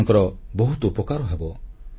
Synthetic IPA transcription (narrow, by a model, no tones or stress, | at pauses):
ŋkɔɾɔbɔɦut̪upɔkaɾɔɦebɔ